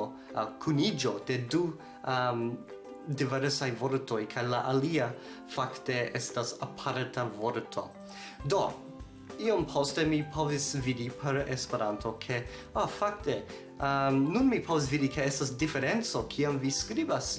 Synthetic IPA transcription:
kʰunid͡ʒo̞de̞du | m | diveɾsajvo̞ɾtʰo̞jkʰajlaʔalia | fakte̞estasapʰaɾtʰavoɾtʰo̞̰ | do̞ | iompʰo̞ste̞mipʰo̞visvidipʰe̞ɾespeɾantʰo̞kʰe̞ | afak̚te | əmnunmipʰo̞vis̬vidikʰe̞estasdifeɾent͡so̞kʰiamviskɾibas

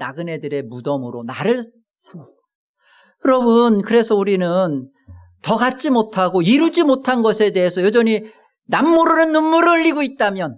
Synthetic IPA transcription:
naɡɯne̞dɯɾe̞mudʌmɯɾonaɾɯɭ | jʌɾʌbɯnkɯɾe̞sʰʌuɾinɯn | tʌɡat͡ɕ͈imotʰaɡoiɾud͡ʑimotʰanɡʌsʰe̞deɦesʰʌjʌd͡ʑʌni | namːuɾɯnɯnːunːuɾʎːiɡoit̚t͈amjʌn

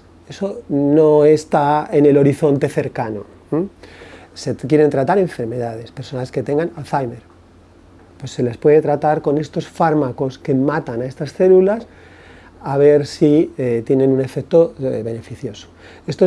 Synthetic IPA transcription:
e̞so̞no̞est̪aene̞lo̞ɾiθo̞nt̪e̞θe̞ɾkano̞̰ | sekje̞ɾe̞nt̪ɾat̪aɾe̞ɱfe̞ɾme̞ðaðe̞spe̞ɾsonaske̞t̪e̞ŋɡanaθajmeɾ | pwe̞sːe̞le̞spwe̞ð̞et̪ɾat̪aɾko̞ne̞st̪o̞sfaɾmako̞ske̞mat̪anae̞st̪asθe̞lulas | aβ̞e̞ɾsiet̪je̞nẽ̞nune̞fek̚t̪o̞βe̞ne̞fiθjo̞so̥ | e̞st̪o

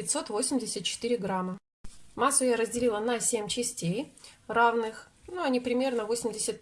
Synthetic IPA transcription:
ɪt̪so̞t̪vo̞sʲɪmʲdʲɪsʲət̪̚t͡ɕɪ̥t̪ɨɾʲɪɡɾamːə | masːʊjaɾəzʲdʲɪlʲilˠənɐsʲemʲt͡ɕɪsʲtʲejravnɨx | nuɐnʲipɾʲɪmʲe̞rnəvosʲɪmʲdʲɪsʲət̪

